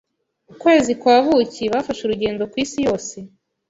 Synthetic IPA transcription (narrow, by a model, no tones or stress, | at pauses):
ukwe̞ːzikwaːβuciβafaʃuɾuɟe̞ːndo̞kwiːsijo̞ːse̞